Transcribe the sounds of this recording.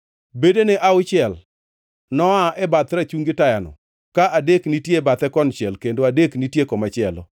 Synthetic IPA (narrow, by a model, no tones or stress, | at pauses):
bedeneʔaʊt͡ʃɪɛl | nɔaʔɛbat̪ɾat͡ʃuŋɡɪtajanɔ̰ | kaʔadeknitjebat̪ɛkɔnt͡ʃɛlkendoadeknitjekɔmat͡ʃɪɛlɔ̰